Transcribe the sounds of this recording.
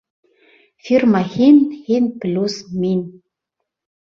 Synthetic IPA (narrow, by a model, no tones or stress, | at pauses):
firmaxinhinplʲusmin